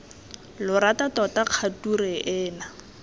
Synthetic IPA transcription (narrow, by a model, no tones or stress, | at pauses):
lʊɾatatɔtaq͡χʰaturɛʔɛːna